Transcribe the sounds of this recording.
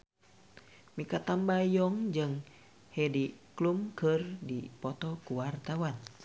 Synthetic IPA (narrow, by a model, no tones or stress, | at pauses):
mikat̪ambajɔŋd͡ʒɨŋ | hɛdiklumkɨrdipɔt̪ɔkuwart̪awan